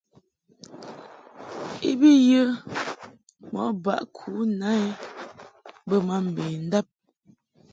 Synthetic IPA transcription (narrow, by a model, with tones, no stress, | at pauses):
ḭ˦bi˦jə˦ | mɔ̰˨˦ba̰˦ʔkʰu˨˦na˦e˦ | bə˦ma˦m̩˨be˨n̩˦da˦˨p̚